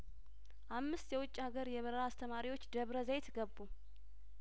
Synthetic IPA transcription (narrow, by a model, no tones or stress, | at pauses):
ʔamːɨst̪jɛwʊt͡ʃʼːhaɡəɾjɛβəɾəɾaːst̪ʰəmaɾiwo̞t͡ʃːd̪əβɾəzajt̪ʰɡəbːu